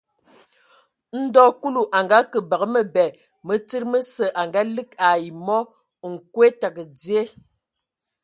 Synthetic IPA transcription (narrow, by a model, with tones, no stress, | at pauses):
n̩˦dɔ˦ku˦lu˨ʔa˨ŋɡa˦kə˨bə˨ɣə˦mə˦˨bɛ˨ | mə˦t͡si˦ɾmə˦sə˨ʔa˨ŋɡa˦lɨ˦ka˨ji˨mɔ˦˨ | ŋ̩˨kwe˦ta˨kə˨d͡zje˦